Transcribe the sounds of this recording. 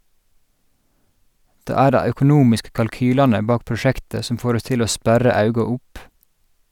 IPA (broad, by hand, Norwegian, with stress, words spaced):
ˈdeː ˈæː ˈɖæɪ œkʊˈnuːmɪskə kɑlˈkyːlɑnə ˈbɑːk pɹʊˈʃæktə ˈsɔm ˈfoːɾ ˈɔs ˈtɪl ˈoː ˈspæɾɑ ˈɑʉɡɑ ˈʊp